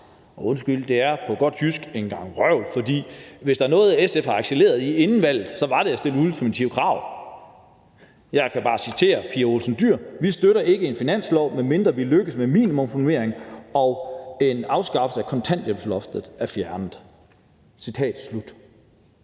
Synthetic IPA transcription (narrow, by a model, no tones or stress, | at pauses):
ɒ̽o̽nsɡ̥yl̰d̥e̝æɐpʰɒ̽ɡ̥ɒ̽d̥hysɡ̥e̝nɡ̥ɑ̈ŋ̰ʁɶʊ̰d̥fɒ̽d̥ḭːʋe̝sd̥ɑ̈æɐnɔ̽ːð̞̩ˠæesefɑ̈ɑɡ̥sele̝̰ːɐð̞̩ˠie̝nn̩ʋæl̰ð̩ˠsɒ̽ʋɑ̈ɾ̥eæsd̥e̝lul̩ˠfʰimæt͡sʰiʊkʰʁɑ̈ʊ̰ | jɑ̈ɪkʰæb̥ɑ̈ːsit͡sʰe̝̰ːɐpʰiːɐo̝lsn̩d̥yɐ̰ʋisd̥øɾɐʔe̝ɡ̥əe̝nfinæn̰slɒʊ̰menme̝nd̥ʁɐʋiløɡ̥əsmemḭːnimɔ̽mfune̝ɐ̰eŋɒ̽e̝nɑ̈ʊsɡ̥ɑ̈fəsəækʰɒ̽nt͡sʰæn̰d̥jemflɒ̽fd̥ð̩ˠæfjæɐnð̩ˠ | sit͡sʰɛ̰ːd̥slud̥